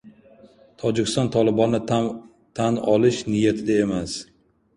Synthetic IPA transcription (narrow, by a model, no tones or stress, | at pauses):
t̪ʰɒd͡ʒɪkʲɪ̥st̪ɒnt̪ʰɒlɪbɒnːɪ | t̪ʰanɒlɪʃnɪjat̪ʰɪd̪ae̞mas